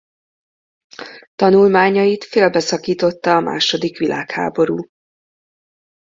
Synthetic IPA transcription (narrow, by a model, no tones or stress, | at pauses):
t̪ɒnulmaːɲɒjit̪feːlbɛsɒkiːt̪o̞t̪ːɒːmʔa̰ːʃo̞d̪ikʋilʔa̰ːkha̰ːbo̞ɾuː